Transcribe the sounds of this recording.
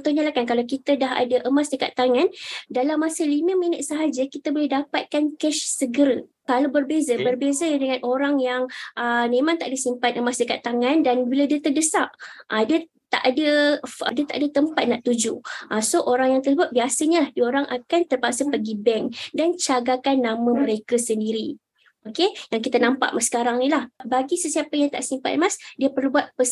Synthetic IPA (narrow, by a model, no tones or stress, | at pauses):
t̪uɲalahkankalakit̪adaɦa̰daʔəmasdəka̰t̪ːaŋandalamːasəlimə̃minət̪̚səɦad͡ʒəkit̪abolɛhdapat̪̚kankɛʃsəɡəɾə | kalabərbezəbərbezədəŋãnʔoɾaŋjaŋʔəmẽmaŋt̪aʔdəsimpat̪əmasdəkat̪ːaŋãndanbiladiət̪ərdəsaʔʔada | t̪aʔadəadət̪aʔadət̪əmpat̪̚naʔt̪ud͡ʒuʔasoʔoɾaŋjaŋt̪ərsəbʊt̪̚biasəɲalahdioɾaŋʔakant̪ərpasapəɡibɛŋdant͡ʃaɡakanːãmãməɾekasəndiɾi | okejaŋkit̪anãmpa̰ʔmasə̥kaɾaŋnilahbaɡisəsiapəjaŋt̪a̰ʔsimpa̰t̪əmasdiəpərlubuat̪̚pəs